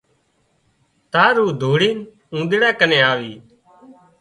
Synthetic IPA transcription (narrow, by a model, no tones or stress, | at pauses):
t̪aːɾuːd̪ʱoːɽiːn | ũːd̪ɽaːkənẽːaːʋiː